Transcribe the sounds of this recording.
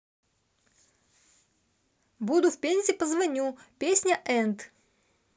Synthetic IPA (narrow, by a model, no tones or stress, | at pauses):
bud̪ʊfpʲenʲsʲɪɪpəzvɐnʲupʲesʲnʲəʔɛnt̪